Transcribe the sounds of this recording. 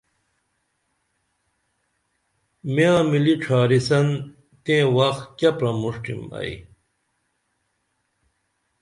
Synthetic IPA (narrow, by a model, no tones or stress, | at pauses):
miãːmiliʈ͡ʂʰaːɾisɐn | t̪ẽːwɐxkɐpɾɐmuʂʈḭmɐ̰i